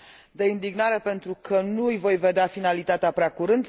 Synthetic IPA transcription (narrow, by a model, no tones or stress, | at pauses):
d̪e̞ind̪iɡnaɾe̞pe̞nt̪ɾukʰənuɨjvo̞jve̞d̪eafinalit̪at̪eapɾeakuɾɨnd̪